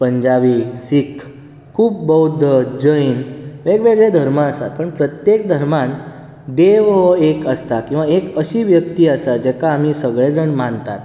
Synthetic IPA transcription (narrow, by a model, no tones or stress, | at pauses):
pəɲd͡ʑaʋiːsikʰː | kʰuːp̚bəɦud̪ʱəd͡ʑəinʋeɡʋeɡɭed̪ʱəɾməəsat̪̚pəɳpɾət̪jek̚d̪ʱəɾmãn | d̪eʋʋəekəst̪akĩw̃ʋaekəɕiːʋjək̚t̪iːəsat̪d͡ʑɛkaːm̤isəɡɭed͡zəɳmant̪at̪